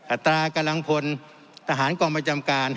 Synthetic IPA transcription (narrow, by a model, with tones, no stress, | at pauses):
ʔʰa˨˩t̪ɾaː˧ka˧mla˧ŋpʰo˧n | t̪ʰa˧ɦaː˩˦nkɔː˧ŋpɾa˧t͡ɕa˧mkaː˧n